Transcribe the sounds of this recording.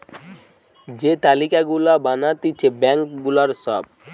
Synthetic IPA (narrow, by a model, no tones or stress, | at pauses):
d͡ʑet̪alikaɡulabanat̪it͡ʃʰebɛŋkɡulaɾsɔb̚